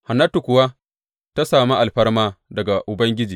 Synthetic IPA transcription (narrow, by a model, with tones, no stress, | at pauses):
ha˨nːɐ˦tu˨kʷʊ˨wa˦ | ta˦saː˨mi˦ʔa˨lɸɐ˦rmaː˦dɐ˨ɡa˨ʔʊ˨bɐ˦ŋɡʲɪ˦d͡ʒiː˨